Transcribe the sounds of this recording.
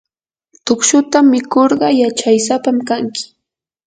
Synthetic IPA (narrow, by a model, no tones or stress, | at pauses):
t̪ʊkʃʊt̪amːɪkoɾɢɑjat͡ʃajsapamkaŋkɪ̥